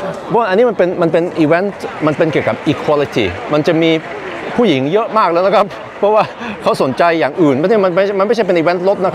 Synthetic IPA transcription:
pʰɔ˦˥wa˥˩ʔa˧nːi˦˥m˧npe˧nma˧npe˧nʔiː˧we˦˥nt̪ma˧npe˧nki˨˩əwka˨˩p̚ʔiː˧kʰwaː˧li˧t̪ʰiː˥˩ma˧nt͡ɕa˨˩ʔmiː˧ | pʰuː˥˩ji˩˦ŋjɤ˦˥ʔmaː˥˩k̚lɤː˧jna˦˥kʰa˦˥p̚ʰːɔ˦˥waː˥˩kʰa˦˥wso˩˦nt͡ɕa˧jːaː˨˩ŋʔɯː˨˩nma˧˥˩i˥˩ma˧nma˥˩ma˧nm˥˩jt͡ɕʰa˥˩pe˧nʔiː˧we˦˥nt̪̚lo˦˥t̪̚na˦˥kʰa˦˥

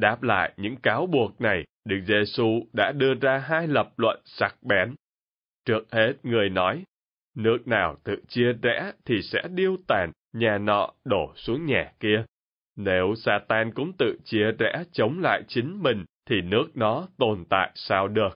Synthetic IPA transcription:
ɗaː˦˥p̚la̰ː˧˨jɲɨ̰˧˥ŋkaː˨˦wɓu˨˩ək̚na˨˩j | ɗɨ˦˥k̚ze˧su˧ɗa̰ː˧˥ɗɨ˧əzaː˧ɦaː˧jlə˨˩p̚lwə̰˧˨nsa˦˥k̚ɓɛ˨˦n | t͡ɕɨ˦˥ək̚he˦˥t̚ŋɨ˨˩əjnɔ˨˦j | nɨ˦˥ək̚naː˨˩wt̪ɨ̰˧˨t͡ɕi˧əzɛ̰˧˥t̪ʰi˨˩sɛ̰˧˥ɗi˧əwt̪aː˨˩n | ɲaː˨˩nɔ̰˧˨ɗo˧˩su˨˦əŋɲaː˨˩ki˧ə | ne˨˦wsaː˧t̪aː˧nkʊ̰˧˥ŋ͡mt̪ɨ̰˧˨t͡ɕi˧əzɛ̰˧˥t͡ɕə˨˦wŋ͡mla̰ː˧˨jt͡ɕï˨˦ŋ̟mï˨˩ŋ̟t̪ʰi˨˩nɨ˦˥ək̚nɔ˨˦t̪o˨˩nt̪a̰ː˧˨jsaː˧wɗɨ˨˩ək̚

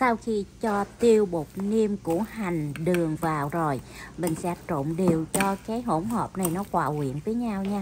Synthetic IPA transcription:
sa˧wxi˧t͡ɕɔ˧t̪i˧əwɓo˨˩t̚ni˧əmkṵ˧˩əha˨˩jŋ̟ɗɨ˨˩əŋvaː˨˩wzo˨˩jmï˨˩ŋ̟sɛ̰˧˥t͡ɕo̰˧˨mɗe˨˩əwt͡ɕɔ˧kaː˨˦jɦo˧˩ŋ͡mɦoː˨˩p̚na˨˩jnɔ˨˦kwaː˧˨hwḭ˧˩˨ənvəː˨˦jɲaː˧wɲaː˧

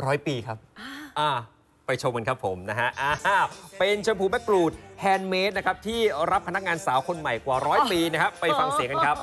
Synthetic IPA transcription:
ɾɔː˦˥jpiː˧kʰa˦˥p̚ʔaː˧˩ | pa˧jt͡ɕʰo˧mka˧nkʰa˦˥pʰːo˩˦mna˦˥kʰa˦˥ʔaː˧˩˥pe˧nt͡ɕʰa˧mpʰuː˧bɛ˦˥kɾuː˨˩t̪̚hɛː˧nmeː˦˥t̪̚na˦˥kʰa˦˥p̚t̪ʰiː˥˩ɾa˦˥pʰːa˧na˦˥k̚ŋaː˧nsaː˩˦wkʰo˧nma˨˩jkwaː˨˩ɾɔː˦˥jpiː˧na˦˥kʰa˦˥pːa˧jfa˧ŋsi˨˩˦ka˧nkʰa˦˥p̚

